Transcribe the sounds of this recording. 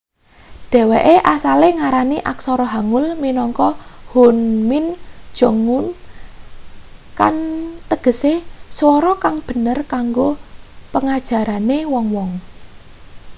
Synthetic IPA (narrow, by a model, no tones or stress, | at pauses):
ɖ̥ɛ̤weʔeʔasaleŋaɾaniʔaksɔɾɔɦaŋʊlminɔŋkɔhonmɪnd̥ʒ̥o̤ŋʊn | kant̪əɡ̥ə̤seswɔɾɔkaŋb̥ə̤nərkaŋɡopəŋad̥ʒ̥a̤ɾanewɔŋwɔŋ